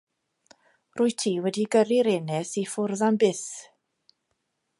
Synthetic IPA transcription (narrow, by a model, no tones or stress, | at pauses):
rʊːjtʰiːwɛdiɡəɾiɾɛnɛsifʊrðanbɪθ